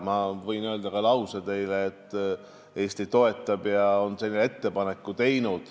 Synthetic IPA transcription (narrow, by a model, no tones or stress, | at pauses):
mɑvɤjnøːld̪ɑkɑlɑwsed̪e̞jleːt̪ː | e̞ːst̪it̪o̞e̞t̪ːˑɑb̥jɑonselʲːinet̪ːe̞pɑne̞kːˑut̪e̞jnud̪̥